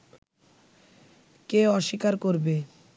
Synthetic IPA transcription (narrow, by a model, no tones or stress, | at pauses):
keɔʃikaɾkoɾbe